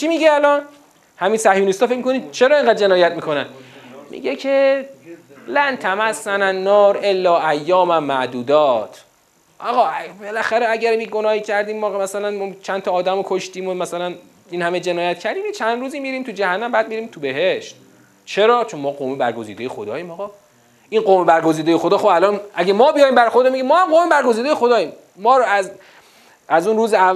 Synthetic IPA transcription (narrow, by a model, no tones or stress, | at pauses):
t͡ʃʰimiɟeælɒn | hæminsæhjunist̪ɒːfecʰmikʰonid̪t͡ʃʰeɾɒːeŋɢæd̪̚d͡ʒe̞nɒːjæt̪̚miːkʰo̞nænmʔḭɟecʰe | lænt̪ʰæmæsːænænːɒːɾe̞lːɒːʔæjːɒːmæmːæʔd̪uːd̪ɒːt̪ʰ | ʔɒɣɒːbelæxæɾeæɟæɾbiɡonɒːhiːcʰæɾd̪iːmːɒmæsælænmt͡ʃʰænt̪ʰɒːd̪æmokʰoʃt̪iːmomæsælæn | iːnhæmed͡ʒenɒːjæt̪cʰæɾd̪iːmjet͡ʃʰænd̪ɾuːziːmiːɾiːmt̪ʰud͡ʒæhænːæmbæːd̪̚miːɾiːmt̪ʰubeɦeʃt̪ | t͡ʃʰe̞ɾɒːt͡ʃʰonmɒːɡomebæ̰ɾɡozḭːd̪ejexo̰d̪ɒ̰ːjiːmɒɣɒː | inɢoːmebæɾɡo̞ziːd̪ejexod̪ɒːxobælɒːnʔæɟæmɒːbijɒjimbæɾxoɾd̪omeɟiːmɒːhæmɢoːmebæɾɡo̞ziːd̪ejexod̪ɒːjiːmː | ɒːɾoæz | æzunɾuːzeæ